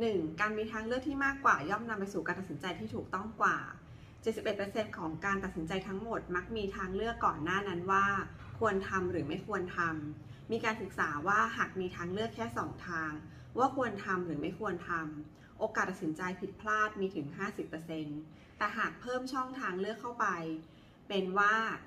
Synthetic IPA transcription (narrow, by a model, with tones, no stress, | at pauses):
nɯ˨˩ŋkaː˧nmiː˧t̪ʰaː˧ŋlɯ˥˩ək̚t̪ʰiː˥˩maː˥˩kwaː˨˩jɔː˥˩mna˧mpa˧jsuː˨˩kaː˧nt̪a˨˩si˩˦nt͡ɕa˧jt̪ʰiː˥˩t̪ʰuː˨˩k̚t̪ɔ˥˩ŋkwa̰ː˨˩ | t͡ɕe˨˩t̪̚si˨˩p̚ʔe˨˩t̪̚pːɤ˧se˧nkʰɔː˩˦ŋkaː˧nt̪a˨˩t̪̚si˩˦nt͡ɕa˧jt̪ʰa˦˥ŋmo˨˩t̪̚ma˦˥k̚miː˧t̪ʰaː˧ŋlɯ˥˩əkːɔː˨˩nːaː˥˩na˦˥nwaː˥˩ | kʰu˧ənt̪ʰa˧mɾɯː˩˦ma˥˩jkʰu˧ənt̪ʰa˧mː | iː˧kaː˧nsɯ˨˩k̚saː˩˦waː˥˩ɦaː˨˩k̚miː˧t̪ʰaː˧ŋlɯ˥˩əkʰːɛː˥˩sɔː˩˦ŋt̪ʰaː˧ŋ | waː˥˩kʰu˧ənt̪ʰa˧mɾɯː˩˦ma˥˩jkʰu˧ənt̪ʰa˧m | ʔoː˧kaː˨˩t̪a˨˩si˩˦nt͡ɕa˧jpʰi˨˩t̪̚pʰlaː˥˩t̪̚miː˧t̪ʰɯ˩˦ŋɦaː˥˩si˨˩pːɤ˧se˧n | t̪ɛː˨˩ɦaː˨˩k̚pʰɤː˥˩mt͡ɕʰɔ˥˩ŋt̪ʰaː˧ŋlɯ˥˩əkʰːa˥˩wpa˧j | pe˧nwaː˥˩